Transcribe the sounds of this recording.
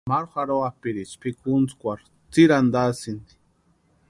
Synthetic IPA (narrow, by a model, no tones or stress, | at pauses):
maɾxʷaɾoapiɾit͡ʃpikunt͡skʷaɾ | t͡siɾand̪asind̪i̥